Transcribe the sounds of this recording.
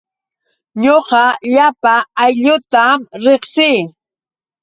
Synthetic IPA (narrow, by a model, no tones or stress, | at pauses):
ɲoqɑʎapaːjʎʊt̪amɾeχsɪː